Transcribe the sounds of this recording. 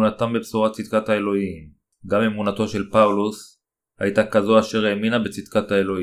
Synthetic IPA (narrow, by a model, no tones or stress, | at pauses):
nat̪ambebsuʁatt͡sid̪kathae̞lo̞him | ɡame̞munato̞ʃe̞lpaulus | ha̰jtakazoaʃe̞ʁeminabet͡sid̪kathae̞lo̞i